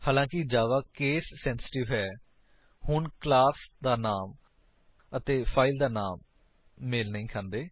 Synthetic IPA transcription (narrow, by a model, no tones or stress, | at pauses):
haːlãːkɪd͡ʒaːʋaːkeːsːɛ̃ːnsɪ̥ʈɪʋɦɛː | hʊnklaːsd̪aːnaːm | ət̪eːpʰaːɪld̪aːnaːmː | eːlnəĩːkʰãːnd̪eː